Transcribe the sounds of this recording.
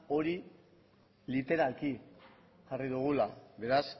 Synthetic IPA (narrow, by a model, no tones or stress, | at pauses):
o̞ɾi | lit̪e̞ɾalki | ʝariðuɣ̞ulaβe̞ɾas